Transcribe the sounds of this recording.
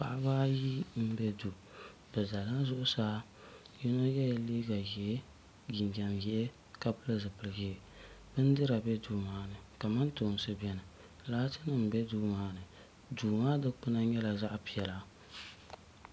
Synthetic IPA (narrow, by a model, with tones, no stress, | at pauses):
pa̰˨ʔa˦βaː˦ji˦m̩˦bɛ˦du˨ | bɛ˨da˨la˦zʊ˦ʔʊ˦saː˦ | ji˦no˦jɛ˦ja˨liː˦ɡa˨ji˨ɛ˦ | ɡi˨nd͡ʒa˨mji˨˦ɛ˦ | ka˦pɨ˦lɨ˦zɨ˨pɨ˨lɨ˨ɡi˦˨ | bɨ˦n˦dɨ˦ɾa˨bɛ˦duː˦maː˦nɨ˨ka˨ma˦ntʊ˨n˨sɨ˦bɛ˦nɨ˨ | laː˦tɨ˦nɨ˨m̩˨bɛ˦duː˦maː˦nɨ˨ | duː˨maː˦dɨ˦k͡pɨ˦na˦ɲɛ˦la˨za˦ʔpi˨ɛ˨la˨